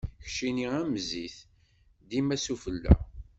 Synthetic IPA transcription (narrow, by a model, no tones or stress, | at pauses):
çʃiniæmziθ | d̪imæsufəlːæ̰